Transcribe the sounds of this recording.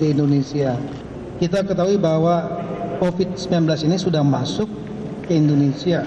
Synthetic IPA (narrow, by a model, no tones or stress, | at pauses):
diindonesia | kit̪akət̪aɦuibaɦwakofɪt̪̚səmbilanblasinisudahmasʊk̚ | kəindonesia